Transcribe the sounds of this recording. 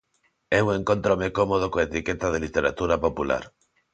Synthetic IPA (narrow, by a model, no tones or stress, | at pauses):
euŋẽŋkont̪ɾomekomoð̞okoet̪iket̪að̞elit̪eɾat̪uɾapopula̰ɾ